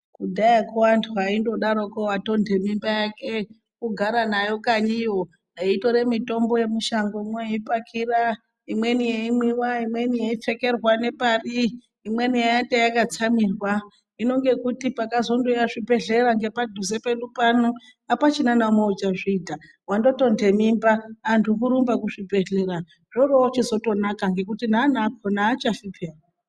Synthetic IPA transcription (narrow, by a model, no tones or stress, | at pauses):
kudʱajakowantʰuɦaindo̞ɗaɾokowato̞ndʱe̞mimbajake̞ | kuɡʱaɾanajo̞kaɲijo̞ | aito̞ɾe̞mito̞mboje̞muʃaŋɡoimwejeipakʰira | imwe̞nijeimiwaimwe̞nijeip͡fe̞ke̞rwane̞pariː | mwe̞nijajantejakat͡samirwa | ino̞ŋɡe̞kutipakazo̞ndojaʐibʱe̞ɮe̞raŋɡe̞padʱuzepe̞lupano | apat͡ʃinanamoud͡ʒaʐiːdʱa | wando̞to̞nde̞mimbaːntʰukuɾumbakuʐibʱe̞ɮe̞ra | ʐ̥oroot͡ʃizo̞to̞nakaŋɡe̞kutin̤aːnak̚ʰonaːt͡ʃafipe̞ːra